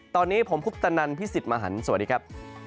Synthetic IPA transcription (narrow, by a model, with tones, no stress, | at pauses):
t̪ɔː˧nːiː˦˥pʰo˩˦mpʰu˦˥p̚t̪a˧na˧npʰi˦˥si˨˩t̪̚maː˧ɦa˩˦nsa˨˩˦diː˧kʰa˦˥p̚